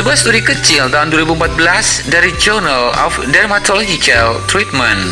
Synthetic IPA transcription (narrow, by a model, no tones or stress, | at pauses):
səbuahst̪uɾikət͡ʃɪlt̪aɦunduwaɾibuəmpat̪̚bəlasdaɾid͡ʒornalɔ̰fdɛrmat̪ɔlod͡ʒit͡ʃalt̪ɾit̪̚mãn